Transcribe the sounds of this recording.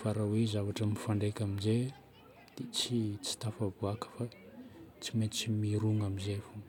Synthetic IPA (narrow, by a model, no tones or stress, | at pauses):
faɾawezavaʈ͡ʂəmifaɳɖ͡ʐekʲamize | d̪̥et͡sit͡si̥t̪afavuakə̥fa | t͡simet͡simiɾuŋamizefu